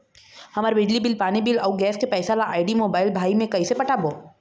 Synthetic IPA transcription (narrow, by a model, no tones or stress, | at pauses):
hɐmaːɾebɪd͡ʒlibɪlpaːnibilɔːɡɛːskepɛːsalaʔaːɪɖimoːbaːɪlbʱaːimẽkɐisepɐʈʰaboː